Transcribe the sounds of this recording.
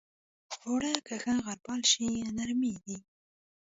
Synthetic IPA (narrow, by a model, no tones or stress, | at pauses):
xoɽakaxaɣaɾpɑlʃianaɾmid̪i